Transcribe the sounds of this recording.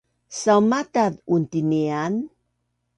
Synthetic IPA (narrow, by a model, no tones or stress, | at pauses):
sawmataðuntinian